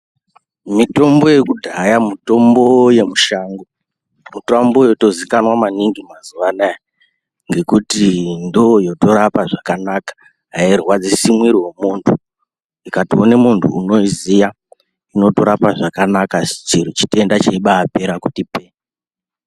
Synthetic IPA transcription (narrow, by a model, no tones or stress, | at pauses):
mito̞mbo̞je̞kudʱajamito̞mbo̞je̞muʃaːŋɡo | mutambo̞joto̞zikanwamaniŋɡimazuʋanaja | ŋɡe̞kutindoojo̞to̞ɾapaʐakanakḁ | ɦairwad͡zisimwiɾiwe̞muntʰu | ikationemuntʰṵːno̞izija | ino̞to̞ɾapaʐakanakḁt͡ʃiɾut͡ʃi̥te̞ndat͡ʃeiɓaːpe̞ɾaku̥tipeː